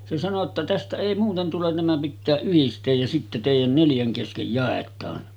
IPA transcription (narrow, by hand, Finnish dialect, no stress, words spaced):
se sɑno tːɑ tæstæ eˑi muːten tulen næmæ pitːæː yhistˑeːj jɑ sitːe teˑijæn neljæŋ keskej jɑˑetˑɑːn